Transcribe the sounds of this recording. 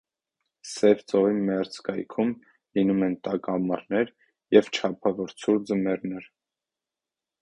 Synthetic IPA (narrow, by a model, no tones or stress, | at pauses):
sɛvt͡sɔʁimɛɾt͡skɑjkʰum | linumɛnt̪ɑkɑmɑɾnɛɾ | jɛvt͡ʃʰɑpʰɑvɔɾt͡sʰuɾd͡zəmɛɾnɛɾ